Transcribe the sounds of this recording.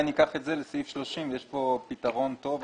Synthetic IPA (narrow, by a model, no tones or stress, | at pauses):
nikaχetzelesifʃloʃimjeʃpo̞pit̪aʁo̞nt̪o̞v